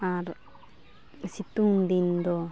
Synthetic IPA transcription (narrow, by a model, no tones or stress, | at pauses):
aɾ | sit̪und̪ind̪o